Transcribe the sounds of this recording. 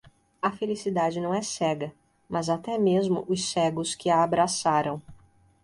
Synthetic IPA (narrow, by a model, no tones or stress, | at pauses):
ɐfelisid̪ad͡ʒɪnɐ̃w̃ɛsɛɡɐ | mɐzat̪ɛmezmʊ̰ʔʊssɛɡʊskɪaːbɾasaɾɐ̃w̃